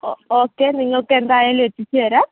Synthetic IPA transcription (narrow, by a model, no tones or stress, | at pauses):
ookeniɲokɛnd̪ajɛletit͡ʃɛɾa